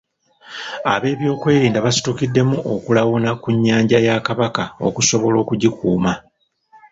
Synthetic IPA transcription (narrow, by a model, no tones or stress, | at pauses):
aβe̞ːβjo̞ːkwe̞ːɾiːndaβasi̥tokidːe̞muʔo̞kulawunakuɲːaːɲɟajakaβakao̞̰kuso̞βo̞lo̞ːkuɟikuːma